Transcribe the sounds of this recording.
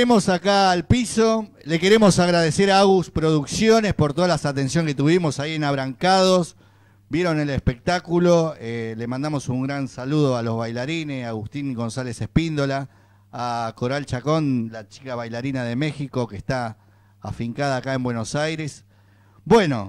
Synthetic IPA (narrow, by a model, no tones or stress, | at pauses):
emo̞sakaːlpiso̞ | leke̞ɾe̞mo̞saɣɾaðese̞ɾaaɣuspɾo̞ðuksjo̞ne̞spoɾt̪o̞ð̞alasat̪e̞nsjoŋket̪uβimo̞saienaβ̞ɾaŋkaðo̞s | bje̞ɾo̞ne̞lespe̞k̚t̪akulo̞elemãnd̪amo̞suŋɡɾansaluð̞oalo̞zβajlaɾinesaɣust̪iŋɡo̞nsale̞sehpind̪o̞laː | ko̞ɾalt͡ʃako̞nlat͡ʃi̥kaβajlaɾinað̞e̞me̞xiko̞kest̪a | a̰fiŋkað̞aːkae̞mbwe̞no̞sajɾes | bwe̞no̞